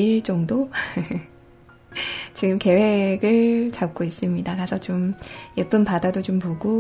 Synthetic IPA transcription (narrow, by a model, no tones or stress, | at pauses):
iɭt͡ɕ͈ʌŋdo | t͡ɕiɡɯmke̞we̞ɡɯɭt͡ɕap̚k͈ois͈ɯmɲidakasʰʌt͡ɕomjep͈ɯnpadadot͡ɕompoɡo